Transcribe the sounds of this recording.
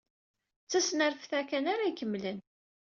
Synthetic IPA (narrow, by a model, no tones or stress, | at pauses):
t͡sːæsnəɾfθækænaɾaikəmːlən